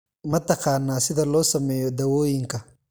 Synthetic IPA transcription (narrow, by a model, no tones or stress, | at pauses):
mɐt̪ʰɐqɑːnːaːsɪðɐlɔːsɐmɛːjɔd̪ɐwɔːjɪŋkʰɐ